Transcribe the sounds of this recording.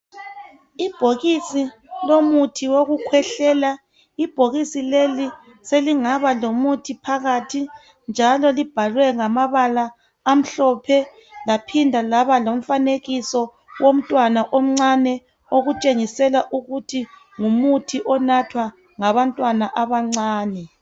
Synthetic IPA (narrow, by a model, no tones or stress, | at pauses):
ib̥ʱoɣisi | lomutʰiwoɣukʰwɛɬɛla | ib̥ʱoɣisileli | seliŋaβalomutʰipʰaɣatʰi | nd͡ʒʱalɔlib̥ʱalwɛŋamaβalaː | m̩ɬɔpʰɛ | lapʰindʱalaβalom̩faneɣisɔ | wom̩tʼwanaʔom̩ŋ͡ǀanɛ | oɣut͡ʃʼeŋisɛlaʔuɣutʰi | ŋumutʰiʔɔnatʰwa | ŋaβantʼwanaʔaβaŋ͡ǀaːnɛ